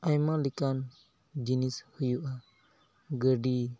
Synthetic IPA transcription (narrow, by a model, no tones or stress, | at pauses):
ajmalikan | d͡ʒinishujuʔa | ɡəɖi